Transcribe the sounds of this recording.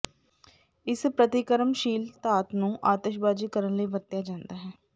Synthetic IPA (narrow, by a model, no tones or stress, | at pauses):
ɪspɾət̪ɪkəɾəmʃiːlt̪aːt̪nũːʔaːt̪eːʃbaːd͡ʒiːkəɾənləiːʋəɾt̪jaːd͡ʒãːnd̪aːɦɛː